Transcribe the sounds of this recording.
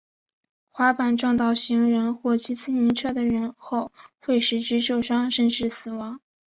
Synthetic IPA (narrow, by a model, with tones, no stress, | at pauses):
xwa˧˥pa˨˩nʈ͡ʂwɑ˥˧ŋt̪ɑ˥˩ʊɕi˧˥ŋɻə˧˥nxwɔ˥˩t͡ɕʰi˧˥t͡sʰɹ̩˥˩i˧˥nʈ͡ʂʰɤ˥˩d̪ə˩ɻə˧˥nxo˥˧ʊxwe˥˩ɪʂɻ̩˧˥ʈ͡ʂɻ̩˧˥t͡ɕjo˥˩ʊʂɑ˥ŋʂə˥˧nʈ͡ʂɻ̩˥˩sɹ̩˨˩wɑ˧˥ŋ